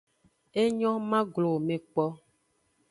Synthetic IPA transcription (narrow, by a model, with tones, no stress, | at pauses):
e˦ɲɔ̃˦mã˦ɡlo˨mẽ˨k͡pɔ˦